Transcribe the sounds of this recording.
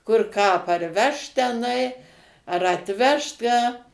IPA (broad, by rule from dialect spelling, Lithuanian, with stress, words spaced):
kʊr kɑː ɐ pɐrʲˈʋʲɛʃt tʲɛˈnɐɪ ɐr ɐtʲˈʋʲɛʃt ˈkɑː